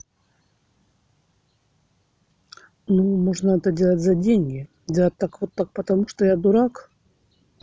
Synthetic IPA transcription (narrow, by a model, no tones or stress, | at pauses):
numoʐnəɛt̪ədʲelˠətʲzɐdʲenʲɡʲɪ | dʲelˠət̚ʲt̪ːakvot̪ːak̚pət̪ɐmuʂt̪ojad̪ʊɾak